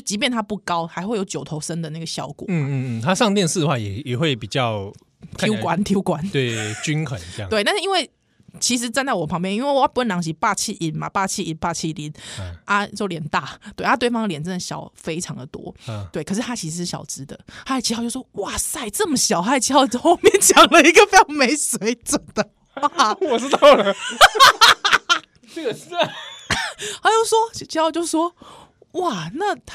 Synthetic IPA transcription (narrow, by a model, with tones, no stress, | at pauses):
t͡ɕi˧˥p̬jɛ˥˩nt̪ʰa˥pu˥˩kɑ˥˦ʊxa˧ɪxwe˥˩ɪjo˧˥ʊt͡ɕjo˨˩ʊt̪ʰo˧˥ʊʂə˦nd̪ə˨na˥˩ɡə˩ɕjɑ˥˩ʊkwɔ̰˨˩˥t̪ʰa˦ʂɑ˥˧ŋt̪jɛ˧ns̩˥˩d̪ə˨xwa˥˩jɛ˨˩jɛ˨˩xwe˥˩ɪpi˨˩t͡ɕjɑ˥˨ʊ | i˥kwa˨˦nt̪ʰji˧˥kwa˨˦nt̪we˥˩t͡ɕy˦nkʰə˨˩˦n̰˧˥˨we˥˧˥nʂɻ̩˥i˥we˥˩ɪ | t͡ɕʰi˧˥ʂ̬ɻ̩˧˥t͡sa˥˧nt͡sa˥˩wɔ˨˩pʰɑ˧˥ŋp̬jɛ˥˧ni˥nwe˥˩ɪa˥˩pu˥wə˥˩njɑ˧˥ŋɕi˧˥pa˥˧t͡ɕʰi˥˩ʔi˨˩nma̰˨˩pa˥˧t͡ɕʰi˥˧i˨˩npa˥˧t͡ɕʰi˥˩li˨˧˦nʔa˥˧t͡ɕjo˥˩ʊljɛ˨˩˦nt̪a˥˩t̪we˥˩ɪʔʰa˦t̪wɑ˥ŋd̪jɛ˨˩nt͡sə˥˩ə˩ɕjɑ˨˩ʊfe˥ɪʈ͡ʂʰɑ˨˧˦ŋd̪ə˨˩t̪wɔ̰˥t̪we˥˩ɪkʰə˨˩ʂ̬ɻ̩˥t̪ʰa˥t͡ɕʰi˧˥s̩˧ʂɻ̩˥˩ɕjɑ̰˨˩ʊʈ͡ʂɻ̩˥d̪ə˨a˥˧˨t͡ɕʰi˧ht͡ɕjo˥˩wɔ˥wa˥˩sa˥˩ɪt͡sə˥˩mə˨˩ɕjɑ˨˩ʊxa˥ɪ˨˩t͡ɕʰi˧˥ɑ˥˧ʊt͡ɕ̩˥xo˥˧ʊmjɛ˥˨nt͡ɕjɑ˨˩ŋlə˧˦i˧˥ɡə˨fe˥jɑ˨˩ŋme˧˥ɪswe˧˥˦ɪt͡sə˨˩nd̪̥ə˦ | wɔ˨ʈ͡ʂɻ̩˥t̪ɑ˥˨˩ʊlə˩ | ha˧˥jo˥˩ʊswɔ˥t͡ɕt͡ɕʰi˧˥˧ʊt͡ɕjo˥˧ʊʂwɔ˥ | wa˥˩na˥˩